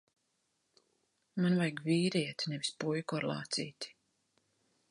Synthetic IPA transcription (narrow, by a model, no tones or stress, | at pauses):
manvajɡviːɾiɛt̪ʲnɛvispujkɔaɾlˠɑ̰ːt̪sḭːt̪i̥